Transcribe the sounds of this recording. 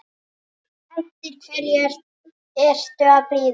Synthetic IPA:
ɛft̪ɪɾ̥kʰvɛɾjɛɾ̥ | ɛr̥t̪ʏaðpliːð

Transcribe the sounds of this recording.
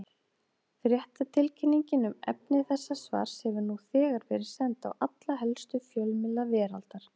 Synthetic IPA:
θɾjɛht̪at̪ʰɪlcʰɪnːiɲcɪnʏmɛ̰pnɪθɛsːasva̰ːɾ̥shɛvʏɾnuθɛːɣaɾvɛːɾɪɾ̥sɛnt̪a̰wat̪laɦɛlst̪ʏfjœlmɪlavɛːɾalt̪aɾ̥

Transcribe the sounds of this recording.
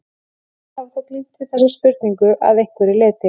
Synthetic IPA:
θaðθɔt̪liːt̪ɪ̥θɛsːaspʏɾt̪niŋkʏʔa̰ðejŋkvɛɾilɪːt̪ɪ

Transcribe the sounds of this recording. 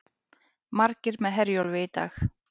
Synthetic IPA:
maɾcɪɾmɛðɦɛɾjɔlvɪːjt̪a̰x

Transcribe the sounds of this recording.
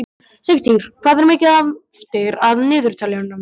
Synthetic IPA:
sekst̪ʰiŋɾ̥kʰvaːðɪɾmejcɪað | ft̪ɪɾaðnɪːðʏɾ̥t̪ʰaːlɛanːa

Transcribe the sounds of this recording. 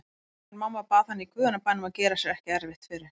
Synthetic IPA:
ɾmawmːapaːðhanːɪikʰvʏːðanapaːnːʏmawcɛːɾasɛɾɛhcɪɛɾvɪht̪fɪɾɪ

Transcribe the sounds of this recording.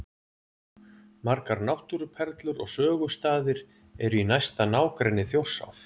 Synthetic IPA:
maɾkaɾnawht̪uɾʏpʰɛɾt̪lʏɾɔ̰ɣsœːɣʏ̥st̪aːðɪɾ̥ | ɛɾʏinajst̪anaːwkɾɛnːɪθjow̥sa̰wf

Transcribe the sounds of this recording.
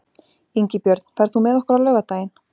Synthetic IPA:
iɲcɪpjœɾt̪n̥fɛɾ̥θumɛðɔhkʏɾawlœːɣat̪aːjɪn̥

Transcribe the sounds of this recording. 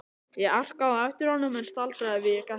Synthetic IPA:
jɛɣar̥kaɛft̪ɪɾ̥hɔnːʏmɛnst̪alt̪ɾaɛvɪɛka

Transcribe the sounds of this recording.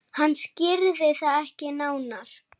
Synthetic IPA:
hanːscɪɾðɪθaðɛhcɪnaːwnaɾ̥

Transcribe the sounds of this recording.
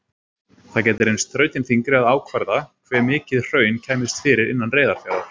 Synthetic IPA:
θacɛːt̪ɪɾejnst̪ɾœːɥt̪ɪnfiŋkɾɪaðaːwkʰvaɾðakʰvɛːɾmɪːcɪðr̥œːɥncʰɛːmɪst̪fɪːɾɪɾɪ̰nːanreːjðaɾ̥fjaːðaɾ̥

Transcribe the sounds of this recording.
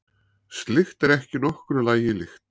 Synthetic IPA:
st̪lɪxt̪ɛɾɛhcɪnɔhkʏɾʏlaːjɪlɪxt̪

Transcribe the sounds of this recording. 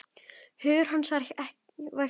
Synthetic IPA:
hʏːðʏɾ̥ɦansvaɾɪçɛh | vaj

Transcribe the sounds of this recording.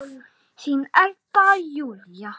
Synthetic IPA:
sinʔælt̪ːɑjuljɑ

